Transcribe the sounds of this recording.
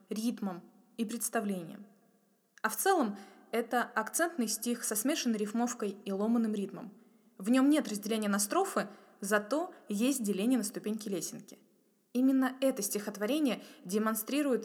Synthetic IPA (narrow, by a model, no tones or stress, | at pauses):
ɾʲit̪məm | ipɾʲɪt̪st̪ɐvlʲenʲɪ̰jə̰m | ɐft̪sɛlˠəm | ɛt̪əɐkt̪sɛnt̪nɨjsʲtʲixsɐsmʲe̞ʂɨnːəjɾʲɪfmo̞fkəjilˠo̞mənːɨmɾʲit̪mə̰m | vnʲo̞mnʲe̞t̪rəzʲdʲɪlʲenʲɪjənɐst̪ɾo̞fɨ | zɐt̪o̞jesʲt̚ʲdʲɪlʲenʲɪjənəst̪ʊpʲenʲkʲɪlʲesʲɪnkʲɪ̥ | imʲɪnːəɛt̪əsʲtʲɪxət̪vɐɾʲenʲɪjədʲɪmɐnst̪ɾʲiɾʊjɪt̪